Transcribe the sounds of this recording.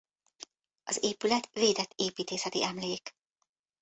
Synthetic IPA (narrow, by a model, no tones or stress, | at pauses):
ɒzeːpylɛt̪ʋeːd̪ɛt̪ːeːpiːt̪eːsɛt̪ḭʔɛmleːk